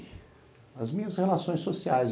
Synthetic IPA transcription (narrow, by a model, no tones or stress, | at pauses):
ɐzmĩɲɐshelasõj̃sosiajz